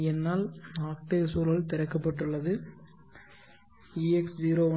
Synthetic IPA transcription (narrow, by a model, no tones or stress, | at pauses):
ɛnːaːlaːk̚ʈesuːɾɐɭt̪ɪɾɐkːɐpːɐʈːɯɭːɐðɯ | iːɛksd͡ʒiːɾoːʋɐ